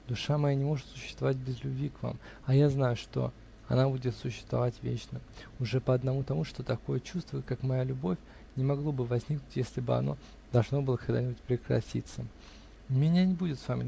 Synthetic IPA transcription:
d̪ʊʂamɐjanʲɪmo̞ʐɨt̪sʊɕːɪst̪vɐvat̚ʲbʲɪzlʲʊbvʲikva̰m | ɐjaznajʊʂt̪o̞̰ | ɐ̰nabudʲɪt̪sʊɕːɪ̥st̪vɐ̰vatʲvʲḛt͡ɕnəʊʐɛpəɐd̪nɐmut̪ɐmuʂt̪o̞t̪ɐko̞jət͡ɕust̪vʊjɪt̪kakmɐjalʲʊbo̞fʲ | nʲɪmɐɡlˠo̞bɨvɐzʲnʲiknʊtʲjesʲlʲɪbɨɐ̰no̞̰ | d̪̥ɐlˠʐno̞bɨlˠəkɐɡd̪anʲɪbʊtʲpɾʲɪkɾɐ̰tʲḭt̪sə | mʲɪnʲanʲɪbudʲɪt̪svamʲɪ

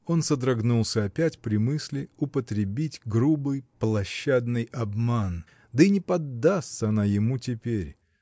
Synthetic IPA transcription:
o̞nsəd̪ɾɐɡnulˠsʲəɐpʲætʲpɾʲɪmɨsʲlʲɪʊpət̪ɾʲɪbʲitʲɡɾubɨjplˠɐɕːad̪nɨjɐbman | d̪əinʲɪpɐd̪ːast̪səɐnajɪmutʲɪpʲeɾʲ

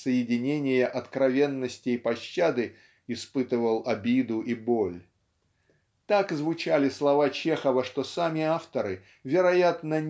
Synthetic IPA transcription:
səjɪdʲɪnʲenʲɪjəʔɐt̪kɾɐvʲe̞nːəsʲtʲɪːpɐɕːad̪ɨ | ɪspɨt̪ɨvəlˠɐbʲid̪ʊʔibolʲ | t̪akzvʊt͡ɕalʲɪslˠɐvat͡ɕe̞xəvəʂt̪o̞samʲɪaft̪əɾɨ | vʲɪɾɐjat̪nənʲ

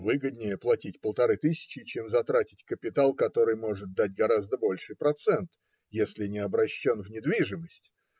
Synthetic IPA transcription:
vɨɡəd̪ʲnʲɪjəplˠɐtʲitʲpəlˠt̪ɐɾɨt̪ɨsʲɪ̥t͡ɕːɪt͡ɕemzɐt̪ɾatʲɪtʲkəpʲɪt̪alˠkɐt̪o̞ɾɨjmo̞ʐɨt̪̚d̪atʲɡɐɾazd̪əbo̞lʲʂɨjpɾɐt̪sɛnt̪ | jesʲlʲɪnʲɪɐbɾɐɕːonvnʲɪd̪vʲiʐɨməsʲtʲ

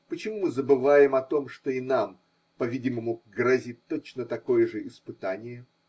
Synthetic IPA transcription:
pət͡ɕɪmumɨzəbɨvajɪmɐt̪o̞mʂt̪oinam | pɐvʲidʲɪməmuɡɾɐzʲit̚ʲt̪ːo̞t͡ɕnət̪ɐko̞jəʐɨʔɪspɨt̪anʲɪjə

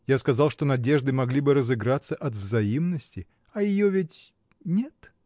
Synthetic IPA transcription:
jaskɐzalˠʂt̪o̞nɐdʲe̞ʐd̪ɨmɐɡlʲibɨɾəzɨɡɾat̪sːəʔɐt̪vzɐimnəsʲtʲɪ | ɐjɪjovʲɪtʲ | nʲet̪

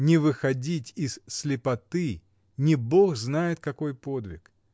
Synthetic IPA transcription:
nʲɪvɨxɐdʲitʲɪz̥slʲɪpɐt̪ɨ | nʲɪbo̞xznajɪt̪kɐko̞jpo̞d̪vʲɪ̰k

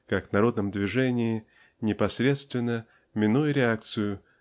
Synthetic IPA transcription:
kakvnɐɾo̞d̪̚nəmd̪vʲɪʐɛnʲɪɪ | nʲɪpɐsʲɾʲe̞t̪st̪vʲɪnːə | mʲɪnujʊɾʲɪakt̪sɨjʊ

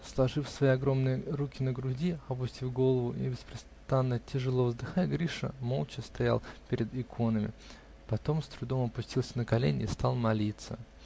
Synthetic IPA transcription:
slˠɐʐɨfsvɐjiɐɡɾo̞mnɨjəɾukʲɪnəɡɾʊdʲiɐpʊsʲtʲifɡo̞lˠəvʊḭbʲɪspɾʲɪst̪anːətʲɪʐɨlˠo̞vzd̪ɨxatʲɡɾʲiʂə̰mo̞lˠt͡ɕɪst̪ɐja̰lˠpʲɪɾʲɪd̪ɪkʰo̞nəmʲɪ̰ | pɐt̪o̞mst̪ɾʊd̪o̞mɐpʊsʲtʲilˠsʲənəkɐlʲenʲɪ̰ːst̪alˠmɐlʲit̪sə

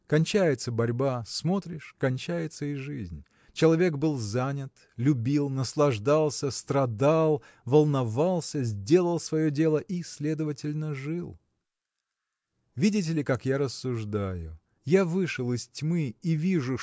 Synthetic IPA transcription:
kɐnʲt͡ɕæjɪt̪səbɐɾʲbasmo̞t̪ɾʲɪʂkɐnʲt͡ɕæjɪt̪səɪʐɨzʲnʲ | t͡ɕɪlˠɐvʲe̞ɡbɨlˠzanʲɪt̪ | lʲʊbʲilˠnəslˠɐʐd̪alˠsʲəst̪ɾɐd̪alˠ | vəlˠnɐvalˠsʲəzʲdʲe̞lˠəlˠsvɐjodʲe̞lˠəʔisʲlʲe̞d̪əvətʲɪlʲnəʐɨlˠ | vʲidʲɪt̬ʲɪlʲɪkakjaɾəsːʊʐd̪ajʊ | javɨʂəlˠɪstʲmɨivʲiʐʊ

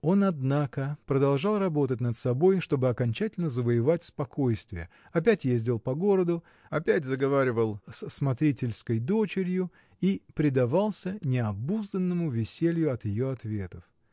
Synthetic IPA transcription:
o̞nɐd̪nakəpɾəd̪ɐlˠʐɑlˠrɐbo̞t̪ətʲnət̪sɐbo̞jʂt̪o̞bɨɐkɐnʲt͡ɕætʲɪlʲnəzəvəjɪvatʲspɐko̞jst̪vʲɪjə | ɐp̬ʲætʲjezʲdʲɪlˠpɐɡo̞ɾəd̪ʊ | ɐpʲætʲzəɡɐvaɾʲɪvəlˠsəsmɐt̪ɾʲitʲɪlʲskəjd̪o̞t͡ɕɪɾʲjʊ | ipɾʲɪd̪ɐvɑlˠsʲənʲɪɐbuzd̪ənːəmʊvʲɪsʲelʲjʊɐt̪jɪjo̞ɐt̪vʲet̪əf

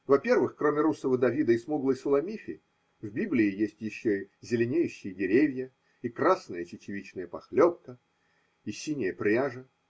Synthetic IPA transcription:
vɐpʲe̞rvɨxkromʲɪɾusəvəd̪ɐvʲid̪əɪsmuɡlˠəjsʊlˠɐmʲifʲɪ | vbʲiblʲɪɪjesʲtʲjɪɕːozʲɪlʲɪnʲejʉɕːɪjədʲɪɾʲevʲjə | ikrasnəjət͡ɕɪt͡ɕɪvʲit͡ɕnəjəpɐxlʲop̚kə | isʲinʲɪjəpɾʲaʐə

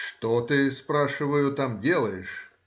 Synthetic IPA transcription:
ʂt̪ot̪ɨspɾaʂɨvəjʊt̪amdʲe̞lˠəjɪʂ

